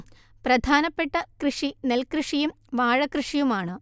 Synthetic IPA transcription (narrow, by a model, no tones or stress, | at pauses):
prɐd̪ʱaːnɐpːeʈːɐkrɨʂinelkrɨʂijum | ʋaːɻɐkrɨʂijumaːɳɨ